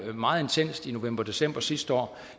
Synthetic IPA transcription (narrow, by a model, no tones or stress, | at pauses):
mɑ̈ːð̞̩ˠe̝nt͡sʰen̰sd̥ino̝ʋem̰b̥ɐd̥e̝sem̰b̥ɐsisd̥əɒ̰ː